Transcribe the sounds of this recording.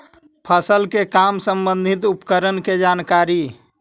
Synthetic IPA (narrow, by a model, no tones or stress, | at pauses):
pʰəsəlkekamsəmbə̃nd̪ʱit̪upkəɾənked͡ʒankaɾi